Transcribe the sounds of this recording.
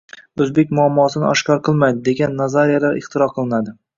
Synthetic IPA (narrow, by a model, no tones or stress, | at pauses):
ɵzbe̞k̚ʲmʊamːɒsɪnɪ̰ɒʃkʲɒɾqʰɨlˠmajd̪ɪd̪e̞ɡʲanːazaɾijalaɾɪ̰χt̪ʰɪɾɒqʰɨlˠɪnad̪ɪ